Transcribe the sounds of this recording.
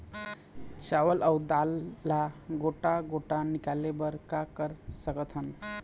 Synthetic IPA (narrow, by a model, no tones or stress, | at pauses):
t͡ɕaʋəlʔəwd̪alːaɡoʈaɡoʈanikalːebəɾkakəɾsəkət̪ʰən